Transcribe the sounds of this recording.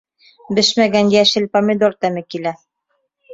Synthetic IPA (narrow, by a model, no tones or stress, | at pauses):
bɘʃmæɡænjæʃɘ̆lpɐmʲɪd̪ort̪æmɘkilæ